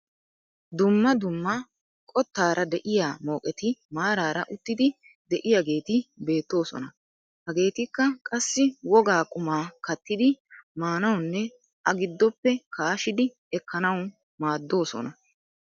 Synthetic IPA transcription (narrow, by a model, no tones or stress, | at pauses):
d̪ʊmːɐd̪ʊmːɐ | kʼɔt̪ːaːɾʔɐd̪ɛʔɪjaːmo̞ːkʼɛt̪ɪmaːɾaːɾɐʔʊt̪ːɪd̪ɪ | d̪ɛʔɪjaɡe̞ːt̪ɪbe̞ːt̪ːo̞ːsɔ̰nɐ | hɐɡe̞ːt̪ɪkːɐkʼɐsːɪwɔɡaːkʼʊmaːkɐt̪ːɪd̪ɪmaːnɐwnːɛ | ʔɐɡɪd̪ːɔpːɛkaːʃɪd̪ɪ | ɛkːɐnɐw | maːd̪ːo̞ːsɔ̰nɐ